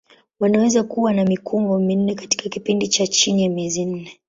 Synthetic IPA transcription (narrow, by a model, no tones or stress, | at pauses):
wanawɛzakuwanamikʰuŋɡɔmin̩nɛkati̥kakipindit͡ʃat͡ʃinijamiɛzin̩nɛ